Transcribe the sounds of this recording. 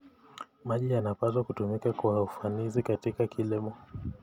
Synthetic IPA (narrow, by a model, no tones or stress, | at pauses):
maʄijanapazwakutumikakuaufanizikatikakʰilimɔ